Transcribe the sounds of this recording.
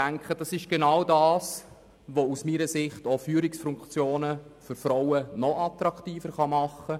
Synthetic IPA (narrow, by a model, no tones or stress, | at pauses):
æŋkχəd̥ɑsɪʃɡ̥enawdɑːs | ʋousmiːɾəsɪχtofyːɾɪksfʊŋkt͡sjoːnəfʏɾfɾɔwənɔʔɑtɾɑktiːfəɾχɑmɑχːə